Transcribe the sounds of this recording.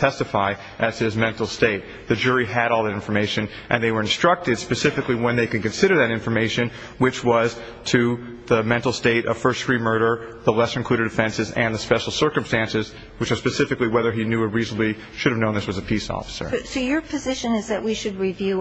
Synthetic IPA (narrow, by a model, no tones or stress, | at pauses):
tʰɛstɨfaɪ | ʔɨz̥ɪzmɛ̃ntˡl̩ˠsteɪt̪̚ | ðɨd͡ʒʊɹiɨɾɔlˠðɨɾɪ̃ɱfə˞meɪʃɨ̃n | ʔɨ̰̃nðeɪwə˞ɨ̃nstɹ̥ʌk̚tɨd̥spɨsɪfɨkliwə̃nðeɪkɨd̚kɨ̃nsɪɾə˞ðɨɾɪ̃ɱfə˞meɪʃɨ̃n | wɨt͡ʃwʌz̥ | tʰɨ | ðəmɛ̃ntˡl̩ˠsteɪɾʔʌ̰v̥fɜ˞stfɹimɜ˞ɾə˞ðəlɛsɨ̃nkʰl̥ʉɾɨdɨfɛ̃nsɨzɨ̃nðɨspɛʃl̩ˠsɜ˞kɨ̃mstæ̃nsɨz | wɨt͡ʃəz̥spɨsɪfɨkliwɛðə˞injʉəɹiznəbli | ʃʊɾɨvnõʊ̃nðɪswʌzɨpʰisɔ̰fə̥sə̰˞soʊjə˞pʰɨzɪʃɨ̃nɨzðɨʔwiʃɨd̚ɹivjʉ